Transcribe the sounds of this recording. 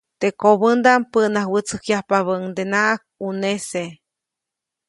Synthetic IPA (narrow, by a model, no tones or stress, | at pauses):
t̪ekoβənd̪ampəʔnahwət͡səkjahpaβəŋd̪enaʔak̚unese